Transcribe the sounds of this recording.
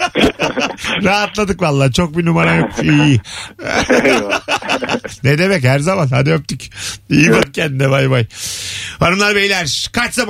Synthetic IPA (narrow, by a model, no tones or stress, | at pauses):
ɾaːɦat̪lˠad̪ɯkvalˠːaːt͡ʃʰo̞k̚binumaɾajokfi | ned̪emɛchæɾzamanha̰d̪iøp̚t̪ycʲijbat̪̚cʰænd̪ɛvajbaj | vaɾɯmlˠaɾbejlʲæɾkʰaɾt͡ʃsab